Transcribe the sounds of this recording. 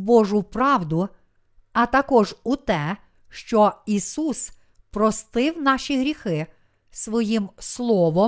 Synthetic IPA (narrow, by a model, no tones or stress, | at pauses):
bɔʒʊpɾɑwd̪ʊ | ɐt̪ɐkɔʒut̪ɛ | ʃt͡ʃɔisus | pɾɔst̪ɪwnɑʃiɦɾʲixɪ | sʋɔjimslˠɔʋɔ